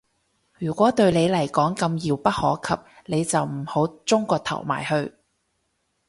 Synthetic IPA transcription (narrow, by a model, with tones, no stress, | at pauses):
jyː˨˩kʷɔː˨˥t̪ɵ˧ɥne˨˧jlɐ˨˩jkɔː˨˥ŋkɐ˧mjiː˨˧wpɐ˥t̚hɔ̰ː˨˥kʰɐ˨p̚ne˨˧jt͡sɐ˨wm̩˨˩ho˨˥wt͡sʊ˥ŋkɔː˧t̪ʰɐ̰˨˩wma̰ː˨˩jhɵ˧ɥ